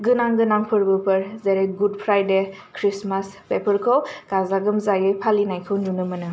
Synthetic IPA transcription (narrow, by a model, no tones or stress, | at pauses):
ɡɯnaŋɡɯnaŋpʰɯɾbɯpɯɾzeɾeɡud̚pʰɾajdekʰɾismaspepʰəɾkʰowkazaɡɯmzaɡɯjpʰalinajkʰɯwndunɯmɯnɯ